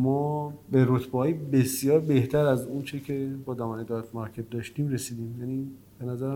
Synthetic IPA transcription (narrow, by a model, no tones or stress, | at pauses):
mɒːbe̞ɾot̪ʰbeɦɒːjibe̞sjɒːɾbe̞ht̪ʰæɾæzunt͡ʃʰecʰe̞bɒːd̪ɒːmæned̪ɒt̪ʰmɑɾcʰet̪̚d̪ɒːʃt̪iːmɾe̞siːd̪iːmjæniː | b̥e̞næzæɾæ